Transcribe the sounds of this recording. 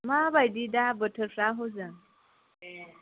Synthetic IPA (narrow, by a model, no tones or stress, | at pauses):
mabajd̪id̪abəʈʰəɾfɾaɦod͡zan